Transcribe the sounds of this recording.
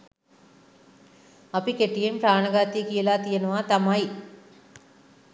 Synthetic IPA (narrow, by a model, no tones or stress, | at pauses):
ɐpikeʈːijempɾaːɳɐɡaːt̪iːkiɛlaːt̪ijɐnuʋaːt̪ɐmaːji